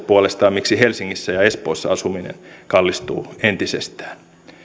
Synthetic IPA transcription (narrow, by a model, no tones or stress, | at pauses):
puolest̪ɑːmmiksihelsiŋːisːæjɑespo̰ːsːɑ̰ɑsuminḛnkɑlːist̪ṵːent̪isḛst̪æ̥ːn